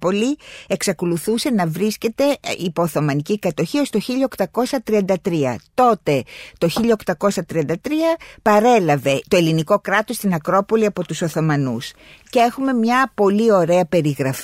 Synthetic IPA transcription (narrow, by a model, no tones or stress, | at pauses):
po̞lieksɐko̞luθuse̞nɐvɾisce̞t̪e̞ipo̞ːθo̞mɐnicikɐt̪o̞çio̞st̪o̞çiʎɐokt̪ɐko̞sɐt̪ɾiɐnd̪ɐt̪ɾiɐ̰t̪o̞t̪e̞t̪o̞çiʎɐokt̪ɐko̞sɐt̪ɾiɐnd̪ɐt̪ɾiɐpɐɾe̞lɐve̞t̪oe̞liniko̞kɾɐt̪o̞st̪inɐkɾo̞po̞liɐpo̞t̪uso̞θo̞mɐnus | cee̞xume̞mɲɐpo̞lio̞ɾe̞ɐpe̞ɾiɣɾɐf